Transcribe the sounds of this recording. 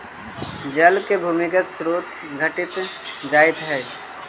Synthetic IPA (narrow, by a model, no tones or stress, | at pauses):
d͡ʒɐlkebʱuːmɪkət̪sɾoːt̪ | ɡʱəʈɪt̪d͡ʒaːɪt̪ɦɛː